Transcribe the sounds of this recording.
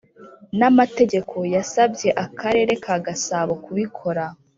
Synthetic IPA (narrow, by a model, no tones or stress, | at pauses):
namate̞ɟe̞kʰo̞jasabɟe̞ʔakaɾe̞ːɾe̞kʰaːɡasaːβo̞kuβikʰo̞ɾa